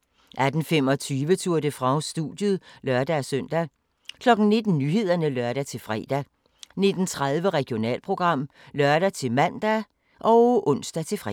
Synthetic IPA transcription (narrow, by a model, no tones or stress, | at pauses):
ʔæd̥n̩fem̰ɒ̽t͡sʰyːʋət͡sʰuɐ̰d̥əfʁɑ̈ʊsd̥ud̥jəðˠlɶɐd̥æsœn̰d̥æ | kʰlɒ̽ɡ̥n̩ne̝d̥n̩nyɦe̝ð̞̰ˠɐnəlœɐɾ̥æt͡sʰe̝lfʁɛ̰ːd̥æ | ne̝d̥n̩t͡sʰʁaðˠʋəʁɛɡ̥jo̝nɛ̰ːlpʰʁo̝ɡ̥ʁɑ̈m̰ | lɶɐɾ̥æt͡sʰe̝mæn̰d̥æ | ʔɒ̽ʊʔɔ̽n̰sd̥æt͡sʰe̝fʁɛ